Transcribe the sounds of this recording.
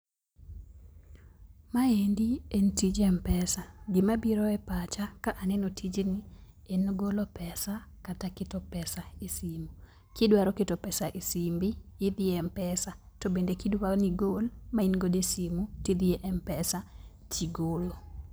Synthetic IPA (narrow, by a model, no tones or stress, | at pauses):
maendientid͡ʒɛmpɛsaɡɪmabiɾɔɛpat͡ʃakaʔanɛnotʰid͡ʒni | enɡolopɛsakatakɪtɔpɛsaisimu | kɪdwaɾɔketɔpɛsaʔisimbiːd̪iɛmpɛsa | tɔbendekidwaniɡolmainɡodesimutid̪ieʔɛmpɛsa | t͡ʃiɡolo